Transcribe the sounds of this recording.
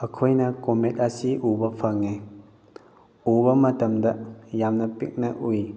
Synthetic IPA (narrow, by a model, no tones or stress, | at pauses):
ɐkʰojnɐkomet̚asiʔubɐpʰɐŋe | ubɐmɐtɐmdɐjamnɐpik̚nɐʔuj